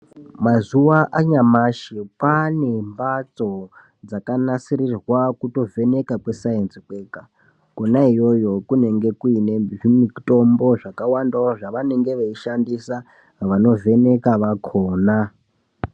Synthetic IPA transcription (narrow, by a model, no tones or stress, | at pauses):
mazuʋaʔaɲamaʃepane̞mbat͡so̞ | d͡zakanasiɾirwakuto̞vʱe̞ne̞kakwe̞saensikweka | konaijo̞jo̞kune̞ŋɡe̞kuineʐimito̞mbo̞ʐakawandaoʐaʋane̞ŋɡe̞ʋeiʃandisa | ʋano̞ve̞ne̞kaʋakʰoːna